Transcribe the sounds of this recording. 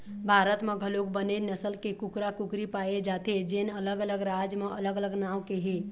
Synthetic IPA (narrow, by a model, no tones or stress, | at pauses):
bʱaːɾət̪mẽɡʱəlok̚bənenəsəlkekʊkɾakʊkɾipaːed͡ʒaːt̪ed͡ʒenələɡələɡɾad͡ʒmẽələɡələɡnaːwkeɦe